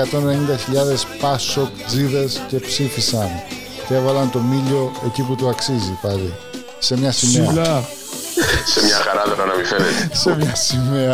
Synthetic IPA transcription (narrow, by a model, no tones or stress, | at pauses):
ɐt̪o̞nenenind̪ɐçiʎɐðe̞spɐsokd͡ziðɐsce̞psifisɐn | θevɐlɐnt̪o̞miʎo̞e̞ciput̪oɐksizipɐði | se̞mɲɐsimeɐ | semɲɐxɐɾɐt̪oɾɐnɐmifenetsemɲɐsimeɐ